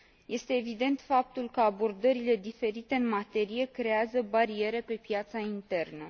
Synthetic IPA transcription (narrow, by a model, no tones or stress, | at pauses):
je̞st̪e̞ːvid̪e̞nt̪fap̚t̪ulkəabo̞rd̪əɾile̞d̪ife̞ɾit̪e̞ɨnmat̪e̞ɾije̞kɾe̞azəbaɾie̞ɾe̞pe̞pjat̪saint̪e̞rnə